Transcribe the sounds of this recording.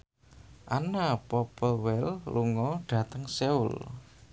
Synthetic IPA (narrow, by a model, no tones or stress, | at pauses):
ʔanapɔpəwɛlluŋɔɖ̥a̤t̪əŋseʊ̰l